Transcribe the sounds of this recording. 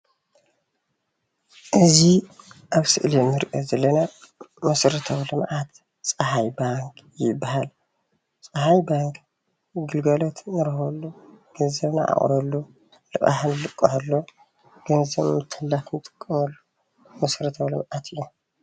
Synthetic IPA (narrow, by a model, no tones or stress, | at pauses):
ʔɨziʔaβsɨʔlimɨɾʔozɐlːɐnamɐsɾɐt̪ʰɐβlɨmʔat̪ | t͡sʼɐhajbaŋkʰjɪbːaɦal | t͡sʼɐhajbaŋkʰ | ɡɨlɡɐlot̪nɨɾɐhɐlːuɡ̥ɐnzɐβna̰ʔa̰χʼɾɐlːu | lɨχʼa̰ħnɨlɨkʼːɐħɐlːo | ɡ̥ɐnzɐβmɨt̪ʰːɨlːafnɨt̪ʼɨ̥kʼːɐmɐlːu | mɐsɾɐt̪ʰɐwlɨmʔat̪ʰɨjːu